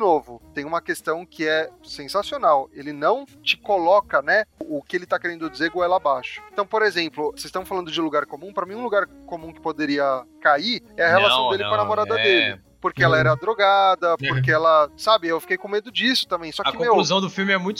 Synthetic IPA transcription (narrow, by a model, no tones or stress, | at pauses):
novʊt̪ẽj̃ũmɐkest̪ɐ̃w̃kʰɪɛsẽsasionawelɪnɐ̃w̃t͡ʃɪkolɔkɐnɛʊkɪelɪt̪akeɾẽnd̪ʊd͡ʒizeɾɡoɛlabaʃʊ̥ẽt̪ɐ̃w̃poɾezẽmplʊsest̪ɐ̃msfalɐ̃nd̪ʊd͡ʒɪluɡaɾkomũpɾɐmĩũluɡaɾkomũkɪ̥pod̪eɾiɐkaiɾɛɐhelasɐ̃w̃d̪elɪkɾ̃ɐnamoɾad̪ɐd̪elɪ̰ | poɾkeɛlɐɛɾɐd̪ɾoɡad̪ɐppoɾkeɛlɐsabɪewfi̥kejkõmed̪ʊd͡ʒisʊ̥t̪ɐ̃mbẽj̃sɔɐkɪkmewkluzɐ̃w̃d̪ʊfiwmɪɛmũj̃t̪